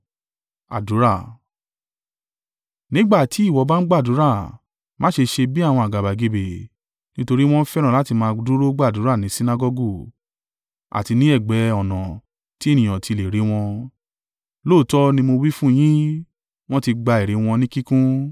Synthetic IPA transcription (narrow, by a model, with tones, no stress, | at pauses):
a̰˨du˨˦ɾa˦˨ | nĩ˦ɡ͡ba˦˨ti˨˦i˦˨wɔ˨˧˦ba˦n̩˦ɡ͡ba˦˨du˨˦ɾa˦˨ | mãː˨˦ʃe˧ʃe˧bi˦a˦˨w̃ɔ̃˧˨a˨ɡa˨ba˨ɡe˧be˨ | nĩ˦to˧ɾi˦w̃ɔ̃˦fɛ˦ɾ̃ã˦˨la˨˦ti˧mãː˧du˦ɾo˦ɡ͡ba˦˨du˨˦ɾa˦˨nĩ˨˦si˦na˦ɡɔ˧ɡu˦˨ | a̰˨ti˧nĩ˨˦ɛ˦˨ɡ͡bɛ˨˦ɔ˨nã˨ | ti˦e˦˨nĩ˨j̃ɔ̃˨ti˧le˨ɾe˨˦w̃ɔ̃˧ | loː˦˨˦tɔ˦nĩ˧mo˧wi˦fũ˦j̃ĩ˦ | w̃ɔ̃˦ti˧ɡ͡ba˧e˨ɾe˨˦w̃ɔ̃˧nĩ˦ki˦kũ˦